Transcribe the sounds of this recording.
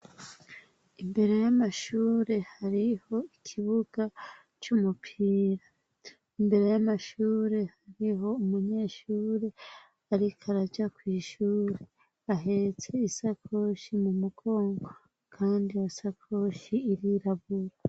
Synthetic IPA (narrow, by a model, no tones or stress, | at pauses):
imbe̞ɾe̞jamaʃuːɾe̞haɾiho̞ikʰiβuɡ̥a | t͡ʃumupʰiːɾa | imbe̞ɾe̞jamaʃuːɾe̞haɾiɦo̞umuɲe̞ʃuːɾe̞ | aɾikʰaɾad͡ʒakwiːʃuːɾe̞ | aɦe̞ɾet͡se̞isakʰo̞ʃimumuɡo̞ːŋɡo | kʰaːndiasakʰo̞ʃiːɾiɾaβuɾa